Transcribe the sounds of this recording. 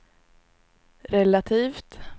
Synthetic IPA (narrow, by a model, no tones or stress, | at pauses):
ɾɛlat̪ʰiːft̪